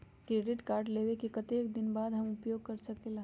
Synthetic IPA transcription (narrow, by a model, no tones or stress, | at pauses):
kɾeːɖɪʈkaːɾʈleːʋekekɐt̪eːk̚d̪ɪnbaːd̪ɦɐmʊpjoːɡ̚kɐɾsɐkelaːɦ